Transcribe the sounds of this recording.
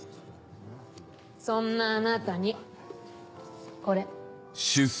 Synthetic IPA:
sõnːaːnat̪aɲ̟i | ko̞ɾe | ɕɨs

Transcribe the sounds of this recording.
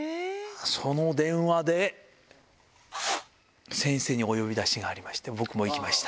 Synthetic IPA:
so̞no̞d̪ẽ̞ɰ̃βad̪e̞ | sẽ̞ɰ̃se̞ːɲ̟io̞jo̞bʲid̪aɕiɡaːɾʲimaɕi̥t̪ebo̞kɯ̟mo̞ikʲimaɕi̥t̪ḁ

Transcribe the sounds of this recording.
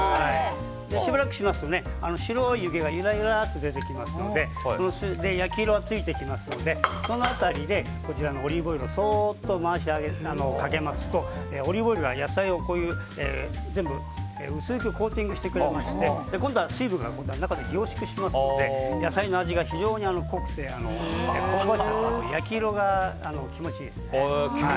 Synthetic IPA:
hai | d̪eɕibaɾakɯ̟̥ɕimasɨ̥t̪one̞a̰no̞ɕiɾo̞iɯɡe̞ɡajɯɾaijɯɾat̪ːe̞d̪e̞t̪e̞kʲimasɨno̞d̪e̞ | sonosɨd̪e̞jakʲiɾoat͡sɨit̪e̞kʲimasɨno̞d̪e̞so̞noat̪aɾʲid̪e̞ | ko̞t͡ɕiɾano̞ːɾʲibo̞iɾɯsoːt̪ːo̞maːɕ̬iaɡeano̞kake̞masɨ̥t̪o̞ | eːo̞ɾʲibo̞iɾɯ̟ɡajasaio̞ko̞ːjɯ̟ː | ḛːd͡zẽ̞mbɯ̟ | ḛɯ̟sɨːkɯ̟ko̞ːt̪ʲĩŋɡɯɕi̥t̪e̞kɯ̟ɾemaɕi̥t̪e̞d̪̥e̞kõnd̪o̞asɨːbɯ̟ŋɡa̰kõ̞nd̪oanakad̪eɡʲo̞ːɕi̥kɯ̟ɕimasɨnod̪e̞jasaino̞aʑiɡaçiʑo̞ːɲ̟iano̞ko̞kɯ̟̥t̪e̞ano̞ḛkoaɕianojakʲiɾo̞ɡaano̞kʲimo̞t͡ɕiesha

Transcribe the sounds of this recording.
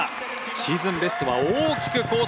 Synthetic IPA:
ɕiːzɨ̃mbe̞sɨ̥t̪o̞βa̰oːkʲi̥kɯ̟ko̞ː

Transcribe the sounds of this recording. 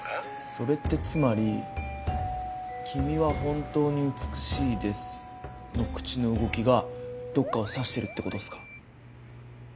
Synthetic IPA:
so̞ɾe̞t̪ːe̞t͡sɨmaɾʲi | kʲʰimʲiβaɦõ̞nt̪o̞ːɲ̟iɯ̟t͡sɨ̥kɯ̟̥ɕiːd̪e̞sɨ̥ | no̞kɯ̟̥t͡ɕino̞ɯ̟ɡo̞kʲiɡad̪o̞kːao̞saɕi̥t̪e̞ɾɯ̟t̪ːe̞ko̞t̪osɨ̥kḁ

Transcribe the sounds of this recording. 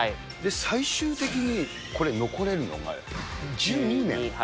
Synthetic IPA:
d̪e̞saiɕɨːt̪e̞k̬ʲiɲ̟i | ko̞ɾe̞no̞ko̞ɾe̞ɾɯ̟no̞̰ɡa̰ | d͡ʑɨːɲ̟inḛ̃

